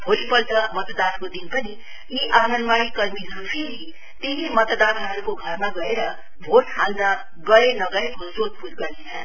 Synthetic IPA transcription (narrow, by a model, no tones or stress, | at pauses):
bʱolipʌlt͡sʌmʌt̪d̪ankod̪inpʌni | iʔanʌnmaɽikʌrmiɦʌɾupʰeɾi | t̪eɦimʌt̪d̪anɦʌɾukoɡʱʌrmaɡʌeɾʌ | bʱoʈɦalnʌ | ɡʌɾenʌɡʌebʱosod̪̚puɾɡʌnet͡sʰʌn